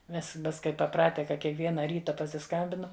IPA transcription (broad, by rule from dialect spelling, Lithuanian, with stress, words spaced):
ˈmʲɛs ˈmʲɛs kɐɪ pɐˈprɑːtʲɛ kɐ kʲiɛkˈʋʲiɛnɐ ˈrʲiːtɐ pɐsʲɪˈskɐmʲbʲɪnɐm